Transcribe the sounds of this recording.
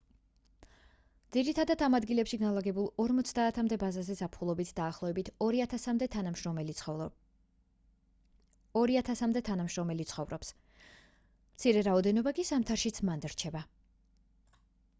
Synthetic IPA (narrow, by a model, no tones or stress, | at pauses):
d̪ziɾit̪ʰad̪ad̪amad̪ɡilɛpʃiɡanlˠaɡɛbulˠɔɾmɔt̪sʰd̪aːt̪ʰamd̪ɛbazazɛzapʰulˠɔbit̪ʰd̪aːχlˠɔɛbit̪ʰt̪d̪ɛ | ɾiat̪ʰasamd̪ɛt̪ʰanamʃɾɔmɛlit̪sʰχɔvɾɔps | mt̪sʰiɾɛɾaɔd̪ɛnɔbakisamt̪ʰaɾʃit̪sʰmand̪ɾt͡ʃʰɛba